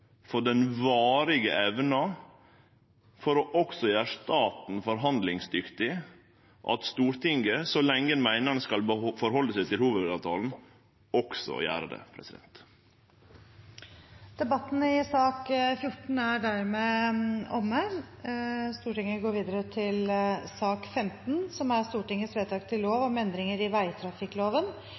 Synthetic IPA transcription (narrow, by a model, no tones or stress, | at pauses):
fɔɖɛnʋɑːɾɪɡə̰ʔɛʋnɑ | fɔɾɔʔɔksɔjæːɾʂt̪ɑːt̪n̩fɔɾɦɑnd̪lɪŋsd̪ʏkt̪ɪ | ʔɑ̰t̪st̪uːɾʈ̪ʰɪŋɡəsɔlɛŋːənmæɪnəɾnəskɑlbəfɔɾhɔlːəsæɪt̪ʰɪlhuːʋəd̪ɑʋt̪ʰɑːln̩ | ɔksɔ̰jæ̰ːɾəd̪ɛ̰pʰɾɛ̰sɪd̪ɛ̰nt̪ | d̪̥ɛbɑt̪ːn̩əɪsɑːkfjʊʈɳ̩æɖæɾmeːɔmːə | st̪uːʈɪŋəɡoːɾʋiːd̪əɾət̪ʰɪlsɑːkfɛmt̪nsɔmæst̪uːʈɪŋːəsʋeːt̪ʰɑːkt̪ʰɪloːʋɔmɛnd̪ɾɪŋəɾɪʋæɪt̪ʰɾɑfɪkloːʋən